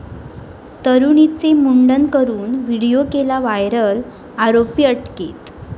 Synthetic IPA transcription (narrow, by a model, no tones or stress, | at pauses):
t̪əɾuɳit͡semuɳɖənkəɾuːnʋiɽijokelaʋajɾəl | aɾopijəʈket̪